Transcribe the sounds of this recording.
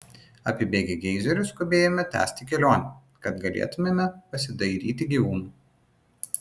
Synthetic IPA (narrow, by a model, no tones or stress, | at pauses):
ɐ̰pʲɪbʲeːɡʲeɡʲɛɪzʲɛɾʲʊskʊbʲeːjomʲɛt̪ʲæ̰ːsʲt̪ʲɪkʲɛlʲoːnʲɛ | kɐt̪ɡɐlʲḛːt̪ʊmʲemʲɛpɐsʲɪd̪ɐɪɾʲiːt̪ʲɪɡʲiːʋuːnuː